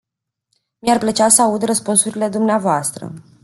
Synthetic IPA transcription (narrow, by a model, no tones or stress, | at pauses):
miarplət͡ʃasəaud̪rəspunsuɾile̞d̪umneavoast̪ɾə̰